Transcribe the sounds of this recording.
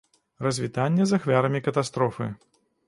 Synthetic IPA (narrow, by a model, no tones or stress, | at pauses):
rɐzʲvʲit̪anʲːɛzaxvʲaɾɐmʲikɐt̪ast̪ɾɔfɨ̰